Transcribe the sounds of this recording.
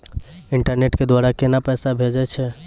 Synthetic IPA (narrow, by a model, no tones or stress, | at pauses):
iɳʈəɾneʈked̪waɾakenapəsabʱed͡ʒɛt͡ʃʰɛ